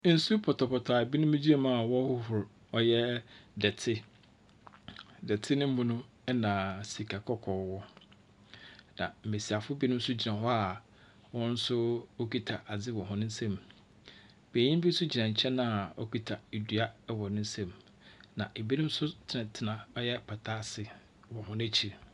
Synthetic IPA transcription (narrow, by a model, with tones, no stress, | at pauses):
n̩˦su˦pʰɔ˨tʰɔ˨pʰɔ˨tʰa˨bi˦nʊ̃˦mĩ˦d͡ʑi˦a˦˨mã˦˨wɔ˦hʊ˦hʊ˨ɾ | ɔ˦jɛ˦dɛ˨tʰɪ˦ | dɛ˨tʰɪ˦nɪ̃˦m̩˦mʊ̃˦nʊ̃˦ | ɛ˦nã˨si˨kʰa˨kʰɔ˦kʰɔː˨wɔ˦ | nã̰˨m̩˨me˨si˨a˨fʊ˦bi˦nʊ̃˦m̩˦sʊ˦d͡ʑi˨nã˨hɔ˦a˨ | wɔ̃˦n̩˦sʊ˦o˦kʰi˦tʰa˨ʔa˨d͡zɪ˦wɔ̃˨ɦʊ̃˦nɪ̃˦n˦sɛ̃˦m | beː˨ɲĩ˦m˦bi˦sʊ˦d͡ʑi˨nã˨ɲ̩˨t͡ɕʰɛ̃˦nã˦a˨ɔ̰˦ki˦tʰa˨e˨dɥa˦wɔ˨nʊ̃˦n̩˦sɛ̃˦˨m | nã˨ʔe˨bi˦nʊ̃˦m˦sʊ˦tʰɪ˦nã˨tʰɪ˨nã˨ɔ˦jɛ˦pʰa˨tʰa˦sɪ˨ | wɔ̃˨hʊ̃˦nɛ̃˦t͡ɕʰi˨ɾ